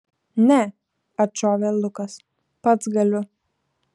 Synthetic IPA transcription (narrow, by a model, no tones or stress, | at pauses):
nʲɛ | ɐt͡ʃoːʋʲeːlˠʊkɐs | pɐt̪sɡɐlʲʊ